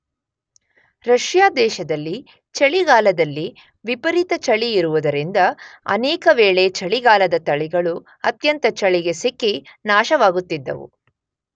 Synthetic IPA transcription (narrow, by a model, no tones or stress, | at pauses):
ɾɐʃjaːd̪ɛːʃɐd̪ɐlːi | t͡ʃɐɭiɡaːlɐd̪ɐlːi | ʋipɐɾit̪ɐt͡ʃɐɭiːɾuʋud̪ɐɾind̪ɐɐ̰nɛːkɐʋeːɭe̞t͡ʃɐɭiɡaːlɐd̪ɐt̪ɐɭiɡɐɭu | ɐt̪jɐnt̪ɐt͡ʃɐɭiɡe̞sikːinaːʃɐʋaːɡut̪ːid̪ːɐ̰ʋṵ